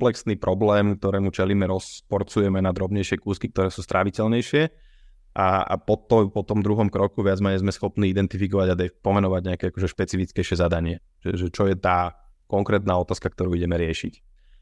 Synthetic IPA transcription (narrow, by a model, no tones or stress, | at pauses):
plɛksniːpɾʔɔblɛːmk̚t̪ɔɾɛːmut͡ʃɛliːmɛɾɔspɔɾt͡sujɛmɛnad̪ɾɔbɲɛjʃɪɛkuːskik̚t̪ɔɾɛːsuːst̪ɾʔaʋicɛlɲɛjʃɪɛ | ʔaa̰pɔt̪ɔpɔt̪ɔmd̪ɾuɦɔmkɾɔkuʋɪad͡zmɛɲɛzmɛsxɔpniːid̪ɛnt̪ifikɔʋaɟad̪ɛpɔmɛnɔʋaɟɲɛakɛakɔʒɛʃpɛt͡sifit͡skɛjʃɪɛzad̪aɲɪɛ | ʒ̥ɛʒɛt͡ʃɔjɛt̪aː | kɔŋkɾɛːt̪naːɔt̪aːskak̚t̪ɔɾuːiɟɛmɛɾɪɛʃic